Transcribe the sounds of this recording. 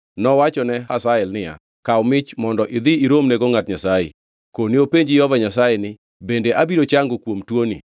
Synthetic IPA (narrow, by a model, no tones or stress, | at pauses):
nɔwat͡ʃɔnɛɦasaɛlnɪja̰ | kaɔmɪt͡ʃmɔndɔʔɪd̪ɪiɾomneɡoŋatɲasajḛ | koniopeɲd͡ʒɪjɔvaɲasajenɪ | bendeʔabiɾot͡ʃaŋɡokwomtwonḭ